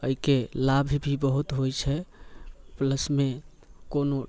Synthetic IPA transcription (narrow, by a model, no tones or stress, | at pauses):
əikelabʱbʱibəɦut̪ɦojt͡ʃʰɛ | pləsme | kono